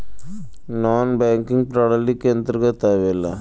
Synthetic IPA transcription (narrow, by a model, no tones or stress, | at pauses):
naːnbaːŋkiŋɡpɾaɽɐlikːent̪ɾɐɡɐt̪aːʋɛlɐ